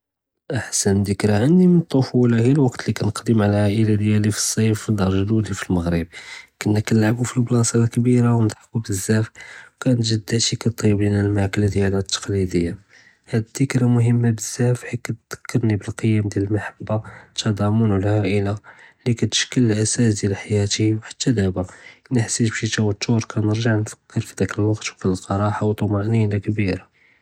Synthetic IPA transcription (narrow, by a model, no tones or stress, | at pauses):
ʔaħsənd̪əkɾɑʕandimənt̪ˤːofulɑɣilwɑqt̪likænəqd̪əmʕalʕaʔəlad̪jælifi̥sˤːɑfd̪ɑɾˤʒd̪ud̪ifilməɣɾəb̚kənːækænlʕabufiblɑsˤɑd̪kbiɾawnd̪ˤħkubəzːæfwkænt̪ʒəd̪ːət̪ikæt̪ˤiblinælmakəld̪jælæt̪ʰːɑ̥qlid̪əjːa | hæd̪d̪əkɾamʊɦəmːabəz̥ːæfħikæt̪d̪̥ə̥kʰːɑɾnibəlqəjːæmd̪jæləlmaħabːat̪ʰɑd̪ˤɑmunulhæʔəlalikæt̪ə̥ʃkəlʔæsæsd̪jælħajæt̪iwħḁt̪ːæd̪æbaʔnəħsit̪bʃit̪æwət̪ːuɾˤkænəɾʒaʕnfə̥kːəɾfid̪ækəlwɑqt̪wfilqɑɾˤɑħawt̪ˤomɑʔninakbiɾa